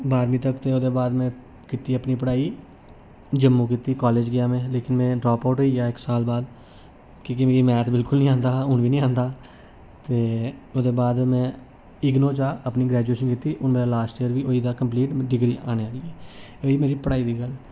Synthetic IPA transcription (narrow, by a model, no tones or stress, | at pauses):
baːɾmĩːt̪əkt̪eːoːd̪eːbaːd̪mɛ̃ː | kɪt̪iːəpniːpəɽaːiː | d͡ʒəmːũːkiːt̪iːkaːleːd͡ʒɡɪjaːmẽːleːkɪnmɛ̃ːɖɾɔːpaʊʈːiaːɪksaːlbaːd̪ | kiːk̬imeːɾiːmɛ̃ːt̪ʰbɪlkʊlnĩːãːnd̪aːɦʊnʋiːnĩːãːnd̪aː | t̪eːoːd̪eːbaːd̪mɛ̃ː | ɪɡnõːt͡ʃaːəpniːɡɾɛːd͡ʒueːʃənkit̪iːʔʊnmeːɾaːlaːsʈiːəɾʋiːʔoːiːd̪aːkəmpliːʈɖɪɡɾiːaːneːaːlieː | oːiːmeːɾiːpəɽaːiːd̪iːɡəl